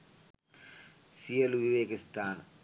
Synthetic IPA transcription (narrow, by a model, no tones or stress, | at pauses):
sijɐluʋiʋeːkist̪ʰaːn